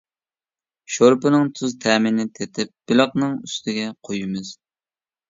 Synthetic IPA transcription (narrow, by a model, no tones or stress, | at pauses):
ʃoɾpɨnɨŋt̪ʰuzt̪ʰɛːmɪnɪt̪ʰet̪ʰɪp̚b̥ɪlˠəqnɨŋyst̪ʰɪɡʲɛqʰojɪmɨz̥